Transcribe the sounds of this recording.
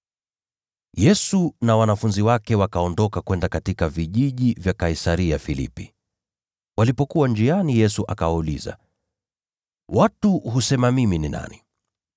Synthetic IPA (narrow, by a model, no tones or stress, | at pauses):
jɛsunawanafunziwakɛwakaɔndɔkakwɛndakatikaviʄiʄivjakaisaɾiafilḭpi | walipɔkuwand͡ʒianijɛsuʔakawauliza̰ | watuhusɛmamiminina̰ni